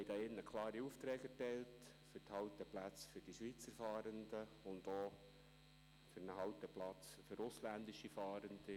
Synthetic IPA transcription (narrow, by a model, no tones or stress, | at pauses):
hɛjd̥̪ɑːɪnːəkʰlɑːɾiuft̪ɾɛːkɛrtɛɪlt | fʏɾthɑwt̪əplæt͡sfʏɾd̥iʃʋit͡səɾfɑːɾənd̪ə | ʊnd̪o | fʏɾnəɦɑwt̪əplɑt͡sfʏɾʊslænd̪iʃifɑːɾənd̪̥i